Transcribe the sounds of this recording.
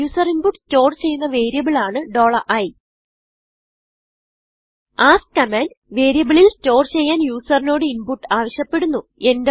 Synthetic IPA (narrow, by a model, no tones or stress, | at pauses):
uːsɐrinpuʈːsto̞ːrt͡ɕe̞jːunːɐʋe̞ːɾijɐbiɭaːɳɨɖo̞ːɭɐʔɐj | aːskɐmaːn | ʋeːɾijɐbɐɭilsto̞ːrt͡ɕe̞jːaːnjuːsɐrino̞ːɽɨinpuʈːaːʋɐɕjɐpːe̞ɽunːue̞nd